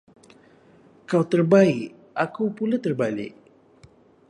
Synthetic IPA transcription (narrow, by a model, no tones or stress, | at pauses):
kawt̪ərbaiʔ | akuwpulat̪ərbalḭʔ